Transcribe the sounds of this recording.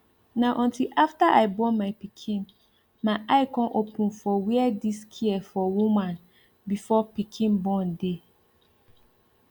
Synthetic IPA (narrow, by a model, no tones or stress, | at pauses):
nãʔɔ̃ntʰilʔaftaʔaɪbɔmãɪpikʰĩn | mãʔaɪkʰɔ̃nʔopʰũnfɔwiɛdiskʰiɛfɔwũmãn | bifɔpikʰĩnbɔ̃nde